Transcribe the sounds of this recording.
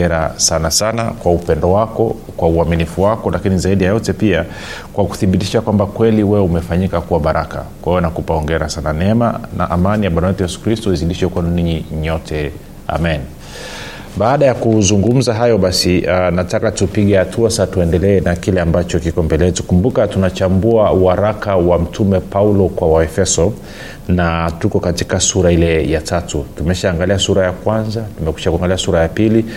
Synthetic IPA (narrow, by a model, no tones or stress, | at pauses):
ɛɾa̰sanasanakwaupɛndɔwakɔ | kwauaminifuwakɔlakinizaiɗijajɔtɛpia | kwaku̥θiɓitiʃakwambakwɛliwɛumɛfaɲikakuwaɓaɾʔaka̰kwahɛjɔnakupaɔŋɡɛɾasananɛɛma̰na̰ʔamanijaɓanawɛtujɛsu̥kɾistɔiziliʃɛkwɛnuniɲiɲɔtʰɛ | a̰mɛn | ɓaːɗajakuzuŋɡum̩zaɦajɔɓasianatakatupiɠɛhatʰuasatuɛndɛlɛːnakilɛambat͡ʃɔkikɔmbɛlɛtukumbukatunat͡ʃambuauhaɾakawam̩tʰumɛpaulɔkwawaɛfɛsɔ | natukɔkati̥kasuɾailɛjatatutumɛʃaːŋɡaliasuɾajakwanzatumɛkwi̥ʃakuaŋɡaliasuɾajapili